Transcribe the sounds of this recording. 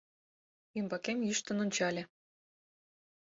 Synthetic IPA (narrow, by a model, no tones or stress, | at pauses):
ymbɑkemjyʃt̪ə̆nonʲt͡ɕɑlʲĕ